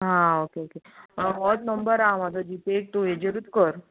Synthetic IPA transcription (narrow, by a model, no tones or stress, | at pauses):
ɦãokeokeəʋɔt̪nəmbəɾamat̪əd͡ʑit̪ek̚t̪oed͡ʑeɾut̪kəɾ